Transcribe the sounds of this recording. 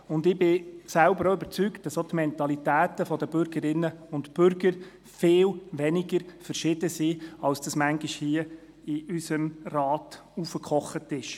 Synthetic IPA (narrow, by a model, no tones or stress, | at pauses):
ʊndɪbɪsælbəɾoʏb̥əɾt͡sykt̚d̥ɑsot̪mɛntɑlitæːtəfɔdəbʏɾɡəɾɪnəʊntb̥ʏɾɡəɾ | fɪːlʋɛniɡəɾfəɾʃɪd̥əsiːɑlsd̥ɑsmæŋɡiʃhiə | ɪʔysəmrɑːt | ufəkχɔχətɪʃ